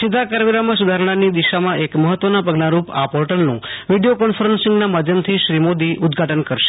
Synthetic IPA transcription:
sɪd̪ʱakaɾjoɡɾaməsud̪ʱaɾɳ̃anid̪iʃamãʔekməɦət̪ːʋənapəɡnaɾupapɔɾʈəlnṵ̃ʋiɖijokɔɳfʰəɾənsɪŋɡnamad̪ʱjəmt̪ʰiʃɾimod̪iʔʊd̪ɡʱaʈənkəɾʃe̥

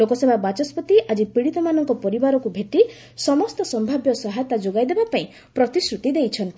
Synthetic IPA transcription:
lokɔsemabat͡ʃɔspɔt̪iʔad͡ʒipiɽit̪ɔmanɔŋkɔpɔɾibaɾɔkubʱeʈi | sɔmɔst̪ɔsɔmbʱabjɔsɔɦat̪ad͡ʒoɡajd̪ebapaĩ | pɾɔt̪isɾut̪id̪ejt͡ʃʰɔnt̪i

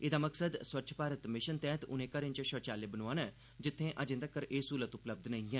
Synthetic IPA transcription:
ɪd̪aːməksəd̪swətːʃʰə̥paːɾət̪mɪʃənt̪ɛ̃ːt̪ʊ̰nẽːkəɾɪnt͡ʃəʃəːt͡ʃaːlebənoaːnɛ | d͡ʒɪt̪ʰːẽʔɐd͡ʒẽːnd̪əkːəɾʔeːsuːlət̪ʊpləb̚d̪nɐɦĩɛː

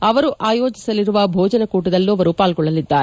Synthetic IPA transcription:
ɐʋɐɾuʔaːjo̞ːd͡ʒisɐliɾuʋɐbʱɔːd͡ʒɐnɐkuːʈud̪ɐlːuɐʋɐɾupaːlɡɔɭːɐlid̪ːaːɾe

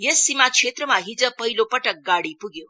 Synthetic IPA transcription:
jesːimakʂet̪ɾəmaɦid͡zəpəɦilopəʈək̚ɡaɽipuɡe

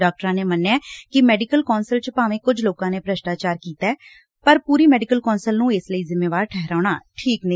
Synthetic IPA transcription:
aːk̚ʈəɾãːneːmənːeɛːkɪmɛːɖɪkəlkɔːnsəlt͡ʃpaːʋẽːkʊd͡ʒʱloːkãːneːpɾəʃʈaːt͡ʃaːɾkiːt̪aɛː | pəɾpuːɾiːmɛːɖɪkəlkɔːnsəlnũːɪsləiːzɪmːeːʋaːɾʈʰɛɦɾaːɳaːʈʰiːknə

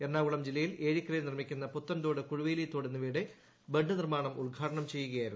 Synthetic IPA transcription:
enːaːʋuɭɐmd͡ʑilːɐjile̞ːɻikʲːrɐjlnirmikʲːunːɐput̪ːɐnd̪oːɽekuɻuʋeːlijt̪ːoːɽenːuʋiːɽe | beɳɖɨnirmaːɳɐmulɡʱaːʈɐɳɐmt͡ɕe̞jːuɣɐjaːjiɾunː

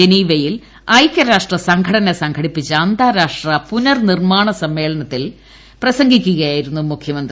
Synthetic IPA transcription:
eniːʋɐjil | ɐjkʲːɐɾaːʂʈrɐsɐŋɡʱɐɽɐnɐsɐŋɡʰʱɐɽipːit͡ɕːɐɐnd̪aːɾaːʂʈrɐpunɐrnirmaːɳɐsɐmːe̞ːɭɐnɐt̪ːil | prɐsɐŋɡʱikʲːuɣɐjaːjiɾunːumukʰjɐmɐnd̪r

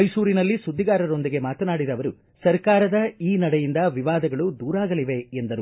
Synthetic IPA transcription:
ɐjsuːɾinɐlːisud̪ʱːiɡaːɾɐɾo̞nd̪iɡe̞maːt̪ɐnaːɽid̪ɐʋɐɾu | sɐɾkaːɾɐd̪ɐiːnɐɽɛjind̪ɐʋiʋaːd̪ɐɡɐɭud̪uːɾaːɡɐliʋe̞end̪ɐɾu

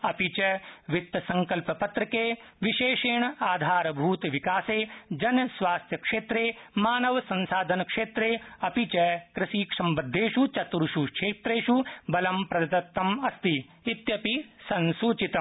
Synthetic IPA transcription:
ɐpit͡ʃɐʋit̪ːsɐ̃ŋkɐlpɐpɐt̪ɾɐkeː | ʋiʃeːʂeːɳɐaːd̪ʱaːɾɐbʱuːt̪ʋikaːseːd͡ʒɐnsʋaːst̪ʰjɐkʂeːt̪ɾeːmaːnɐʋsɐ̃nsaːd̪ʱɐnɐkʂeːt̪ɾeːɐpit͡ʃɐkɾɪsiːkʂɐmbɐd̪ʱːeːʃut͡ʃɐt̪ɾuʃuʃʰeːt̪ɾeːʃubɐlɐmpɾɐd̪ɐt̪ɐt̪ːɐmɐst̪iː | t̪jɐpisɐnsuːt͡ʃit̪ɐm

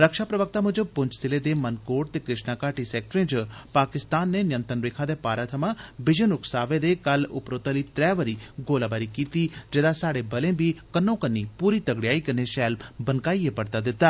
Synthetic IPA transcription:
ɾəkʃaːpɾəʋək̚t̪aːmʊd͡ʒpʊ̃ɲt͡ʃsɪleːd̪eːmənkoːʈt̪eːkɾɪʃnaːkaːʈisɛːk̚ʈɾẽːd͡ʒpaːkɪst̪aːnːeːnɪjə̃nt̪ənɾeːkʰãːd̪eːpaːɾaːt̪ʰəmãːbɪd͡ʒənʊksaːʋeːd̪eːkəlʊ̰pɾoːt̪aliːt̪ɾɛːʋəɾiːɡoːlaːbaːɾiːkiːt̪iːd͡ʒeːd̪asaːɽeːbəlẽːbʱiːkənːõːkənːiːpuːɾiːt̪əɡɽɪjaːikəneʃɛːlbənkaːiːepəɽt̪aːd̪ɪt̪ːaː

